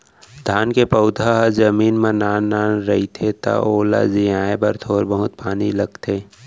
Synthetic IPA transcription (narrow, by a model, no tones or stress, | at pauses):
d̪ʱaːnkepəʊd̪ʱaɦəd͡ʒɐmiːnmanaːnːaːnɾɐɦit̪ʰet̪a̰oːla̰d͡ʒiãːebɐɾt̪ʰoːɾbɐɦʊt̪̚paːnilɐɡt̪ʰeː